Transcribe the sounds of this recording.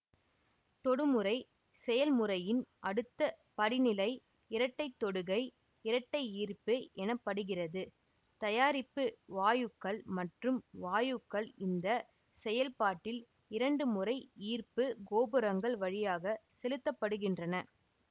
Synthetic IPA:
t̪ɔɽɯmɯɾɐɪ | sɛjɐlmʊɾɐjɪnʔɐɽɯt̪ːɐ | pɐɽɪnɪlɐɪ | ɪɾɐʈːɐɪt̪ːɔɽɯɣɐɪ | ɪɾɐʈːɐɪiːrpɯɛnɐpːɐɽɯɣɪrɐðɯ | t̪ɐjaːɾɪpːɯʋaːjɯkːɐɭmɐʈrɯmʋaːjɯkːɐɭɪnd̪ɐ | sɛjɐlpaːʈːɪl | ɪɾɐɳɖɯmʊrɐɪiːrpɯɡoːbɯɾɐŋɡɐɭʋɐɻɪjaːɣɐsɛlɯt̪ːɐpːɐɽɯɣɪndrɐnɐ

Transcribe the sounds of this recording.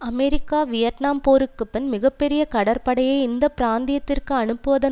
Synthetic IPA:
ɐmɛɾɪkːaːʋɪjɐʈnaːmpoːɾɯkːɯpːɪnmɪɣɐpːɛɾɪjɐkɐɽɐɾpɐɽɐjɐɪɪnd̪ɐpɪɾaːnd̪ɪjɐt̪ːɪrkɯɐnɯpːɯʋɐðɐ

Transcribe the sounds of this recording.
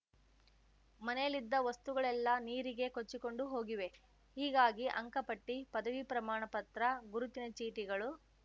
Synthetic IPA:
mɐnɛjɐlid̪ːɐʋɐst̪uɡɐɭɛlːɐniːɾiɡe̞kot͡ʃːiko̞ɳɖuɦo̞ːɡiʋe̞ | hiːɡaːɡiʔɐ̰ŋkɐpɐʈːipɐd̪ɐʋipɾɐmaːɳɐpɐt̪ɾɐɡuɾut̪inɐt͡ʃiːʈiɡɐɭu

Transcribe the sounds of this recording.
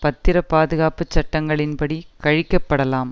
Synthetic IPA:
pɐt̪ːɪɾɐpaːðɯɣaːpɯt͡ʃːɐʈːɐŋɡɐɭɪnpɐɽikɐɻɪkːɐpːɐɽɐlaːm

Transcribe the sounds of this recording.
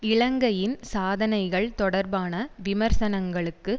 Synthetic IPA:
ɪɭɐŋɡɐjɪnsaːðɐnɐɪɣɐɭt̪ɔɽɐɾbaːnɐʋɪmɐɾsɐnɐŋɡɐɭɯkːɯ

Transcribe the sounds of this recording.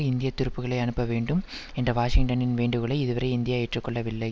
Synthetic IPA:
ɪnd̪ɪjɐt̪ːɪɾɯpːɯɣɐɭɐɪɐnɯpːɐʋeːɳɖɯm | ɛndrɐʋaːʂɪŋʈɐnɪnʋeːɳɖɯɣɐɭɐɪɪðɯʋɐɾɐɪɪnd̪ɪjaːɛʈrɯkːɔɭːɐʋɪɭːɐɪ

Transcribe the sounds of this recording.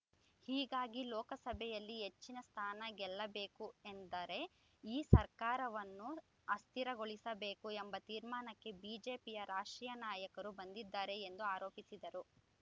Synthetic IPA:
hiːɡaːɡilɔːkɐsɐbʱɛjɐlːiɦe̞t͡ʃːinɐst̪ʰaːnɐɡɛlːɐbe̞ːkuend̪ɐɾe̞ | iːsɐɾkaːɾɐʋɐnːu | ɐst̪ʰiɾɐɡoɭisɐbeːkuembɐt̪iːɾmaːnɐkːe̞biːd͡ʒe̞ːpijɐɾaːʂʈɾiːjɐnaːjɐkɐɾubɐnd̪id̪ːaːɾe̞end̪uaːɾoːpisid̪ɐɾu

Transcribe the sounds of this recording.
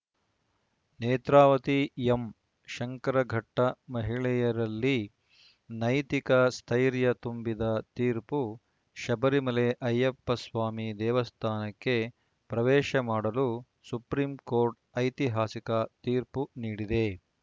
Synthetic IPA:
neːt̪ɾaːʋɐt̪iem | ʃɐŋkɐɾɐɡʱɐʈːɐmɐɦiɭɛjɐɾɐlːi | nɐjt̪ikɐst̪ʰɐjɾjɐt̪umbid̪ɐt̪iːɾpu | ʃɐbɐɾimɐleʔɐjːɐpːɐsʋaːmid̪ɛːʋɐst̪ʰaːnɐkːe | pɾɐʋɛːʃɐmaːɽɐlu | supɾiːmkoːɾʈ̚ | ɐjt̪iɦaːsikɐt̪iːɾpuniːɽid̪e̞

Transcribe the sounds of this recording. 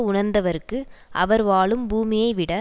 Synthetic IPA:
ʊɳɐɾnd̪ɐʋɐɾɯkːɯʔɐʋɐɾʋaːɭɯmbuːmɪjɐɪʋɪɽɐ

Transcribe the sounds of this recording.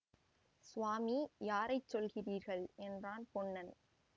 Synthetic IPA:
sʊʋaːmijaːɾɐɪt͡ʃsɔlɣɪriːɾɣɐɭʔɛndraːnpɔnːɐn

